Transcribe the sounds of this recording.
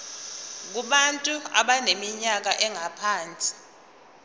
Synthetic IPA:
k̬uɓantʼua̰ɓanemiɲak̬aʔɛŋapʰaːnt͡sʼi̥

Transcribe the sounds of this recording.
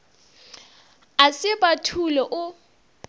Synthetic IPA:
asɪbʼatʰulɔʔʊ

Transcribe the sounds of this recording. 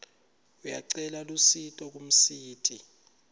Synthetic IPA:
ujaǀɛlalusitʼɔk̬ʼum̩siːtʰʼi

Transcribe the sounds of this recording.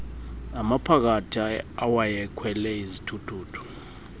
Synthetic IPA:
amapʰak̬atʰiaawajɛkʰwɛlɛizitʰutʰuːtʰu̥

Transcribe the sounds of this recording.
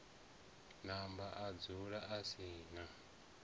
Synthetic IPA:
nambaʔad͡zuɺaʔasiːna

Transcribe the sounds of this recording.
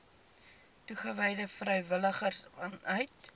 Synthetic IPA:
tuχəvɛjdəfrɛjvələχərsanœɥt̚

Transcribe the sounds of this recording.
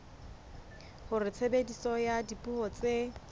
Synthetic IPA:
hʊrɪt͡sʰebedisɔjadipʼuhɔt͡sʼe

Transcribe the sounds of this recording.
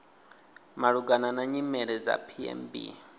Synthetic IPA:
maɺuɡananaɲimɛɺɛd͡za̰pʰiɛ̰mbḭ

